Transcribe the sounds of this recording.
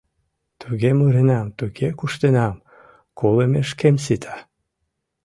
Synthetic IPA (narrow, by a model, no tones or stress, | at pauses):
t̪uɣemuɾenɑmt̪uɣekuʃt̪enɑm | kolemeʃkems̬it̪ʰɑ̥